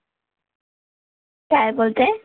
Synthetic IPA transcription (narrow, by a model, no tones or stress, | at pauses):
tajbolt̪ɛ